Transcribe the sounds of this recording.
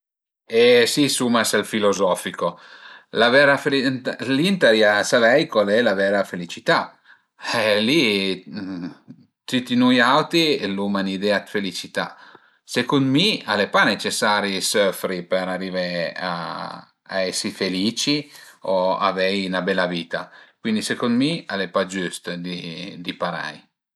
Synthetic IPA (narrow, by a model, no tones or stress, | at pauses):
esisumaselfilozɔfikolavɛɾafelilint̪eɾjasavɛjkwalɛlavɛːɾafelit͡ʃit̪a | ɛli | t̪it̪inujawt̪ilumanid̪eat̪felit͡ʃit̪a̰ | sekund̪mialepanet͡ʃesaːɾisøfɾipɛɾarivea̰ | a̰ɛsːifeliːt͡ʃioa̰vɛjnabɛlːaviːt̪akwind̪isekund̪mialepad͡ʒyst̪d̪id̪ipaɾa̰j